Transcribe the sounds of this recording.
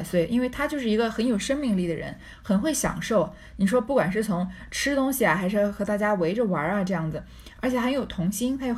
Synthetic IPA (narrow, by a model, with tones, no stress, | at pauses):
swe˥˩ɪʔi˥nwe˥˩ɪt̪ʰa˥t͡ɕjo˥˧ʊʂɻ̩˥˩i˧˥ɡə˧xə˧˥njo˨˩ʊʂə˥ŋmi˥˧ŋli˥˩d̪ə˩ɻə̰˧˥n | xə˨˩nxwe˥˩ɪɕjɑ̰˨˩ŋʂo˥˩ʊ | ni˨˩ʂ̬wɔ˥pu˥˩kwa˨˩nʂɻ̩˥˩t͡sʰʊ˧˥ŋ | ʈ͡ʂʰɻ̩˥t̪ʊ˥ŋɕi˨˩ɐ˩xa˧˥ɪʂɻ̩˥˩xɤ˧˥t̪a˥˩t͡ɕja˥we˧˥ɪʈ͡ʂə˥˧wɐ˧˥ɐ˧ʈ͡ʂɤ˥˧jɑ˥˩ŋd͡zɹ̩˩ | ə˞˧˥t͡ɕʰjɛ˨˩xə˧˥njo˨˩ʊt̪ʰʊ˧˥ŋɕi˥nt̪ʰa˥jo˧˥